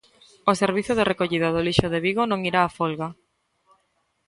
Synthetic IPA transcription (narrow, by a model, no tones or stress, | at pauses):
oseɾβ̞iθoðerʔekoʎiðaðoliʃoðeβiɣonõŋiɾaːfolɣa